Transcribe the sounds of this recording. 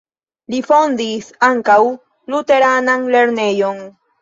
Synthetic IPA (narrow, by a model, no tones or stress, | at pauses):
lifond̪isaŋkaw | lut̪e̞ɾananle̞ɾnejoŋ